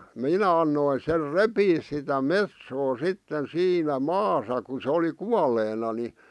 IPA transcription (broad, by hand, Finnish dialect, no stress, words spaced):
minæ ɑnːoi ser repiːs sitæ metsoː sitːen siːnæ mɑːsɑ ku se oli kuɑleːnɑ ni